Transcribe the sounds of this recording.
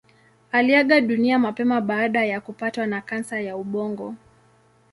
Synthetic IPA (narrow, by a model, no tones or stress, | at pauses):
aliaɠaɗuniamapɛmaɓaːɗajakupatwanakansajauɓɔŋɡɔ